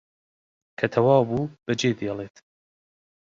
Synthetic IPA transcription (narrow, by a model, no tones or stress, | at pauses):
kʰɐt̪ʰɐwɑːwbuːb̥ɐd͡ʒeːd̪ijɛlˠeːt̪